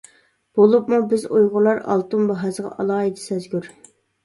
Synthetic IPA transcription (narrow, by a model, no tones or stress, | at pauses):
b̥olˠupmubɪzujʁʊlˠɑɾɑ̰lˠt̪umbɑɦɑzʁɑ̰ʔɑlˠɑːid̪ɪ̥sɛzɡʲyɾ